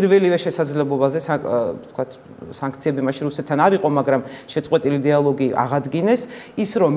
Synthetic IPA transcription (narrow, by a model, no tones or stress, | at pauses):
ɾvɛlivɛʃɛsad̪zlɛblˠɔbazɛsat̪ʰkwat̪ʰ | saŋkʰt̪sʰiɛbimaʃinɾusɛt̪ʰːanaɾiqʼɔmaɡɾamʃɛt̪sʼwɛt̪ʼilid̪ialˠɔɡiʔa̰ʁad̪ɡinɛsisɾɔm